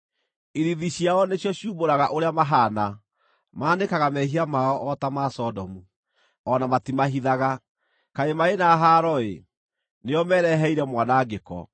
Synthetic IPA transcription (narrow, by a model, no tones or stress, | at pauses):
iɾiðiɕjaɔneɕjɔɕjuːboɾaɣaʔoɾeamaɦana | maːnekaɣamɛɦiamaɔʔɔtamasɔdɔmu | ɔnamatimaɦiðaɣa | kaemaenaɦaːɾɔḛ | neɔmɛɾɛɦɛiɾɛmwanaːɡekɔ̰